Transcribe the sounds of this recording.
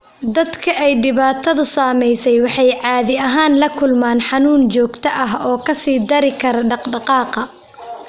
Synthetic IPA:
d̪ɐd̪kʰɐʔɛjɖɪβaːt̪ʰɐðʊsaːmɛjsɛjwɑħɑjʕɑːðɪɐɦaːnlɐkʰʊlmaːnħɑnuːnt͡ʃɔːɡt̪ʰɐʔɐɦɔːkʰɐsiːd̪ɐɾɪkʰɐɾɐɖɑqɖɑqɑːqɐ

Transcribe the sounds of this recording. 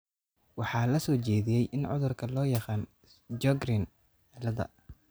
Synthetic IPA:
wɑħɑːlɐsɔːt͡ʃɛːðɪjɛjʔɪnʕʊ̰ðʊrkʰɐlɔːjɑqɑːn | d͡ʒɔɡɾɪn | ɛlɐðɐ̰

